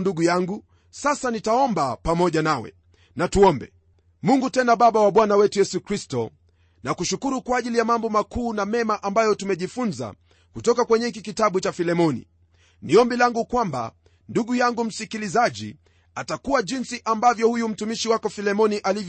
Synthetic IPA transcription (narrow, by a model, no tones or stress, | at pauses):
nduɠujaŋɡu | sasanitaɔmbapamɔʄanawɛ̰ | natuɔmbɛ | muŋɡutɛnaɓaɓawaɓwanawɛtujɛsukɾistɔ | nakuʃukuɾukwaːʄilijamambɔmakuːnamɛmaʔambajɔtumɛʄifunza̰ | kutɔkakwɛɲɛik̬ikitaɓut͡ʃafilɛmɔnḭ | niɔmbilaŋɡukwamba̰ | nduɡujaŋɡum̩sikilizaʄḭ | atakuwaʄinsiʔambavjɔhujum̩tumiʃiwakɔfilɛmɔniʔalivj